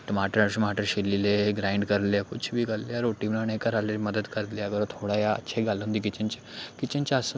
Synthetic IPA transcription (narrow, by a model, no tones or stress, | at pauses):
ʈəmaʈəɾaɕimaʈəɾɕilːileɡɾaiɳɖkəɾleakut͡ɕʰːbʱiːɡalleaɾoʈimlanẽkəɾaleməd̪əd̪kəɾt̪leaɡəɾt̪ʰoɽajaə̰ːɕʰeɡalũnd̪ik̬it͡ɕẽnt͡ɕekit͡ɕẽnt͡ɕeəsə